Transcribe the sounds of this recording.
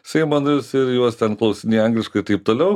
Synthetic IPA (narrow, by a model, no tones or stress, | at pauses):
sʲɛɪmɐnʊsɪɾjuɔst̪ʲɛnklˠɐʊsʲɪnʲiːɐŋɡlʲɪʃkɐɪt̪ɐɪp̚t̪oːlʲɛʊ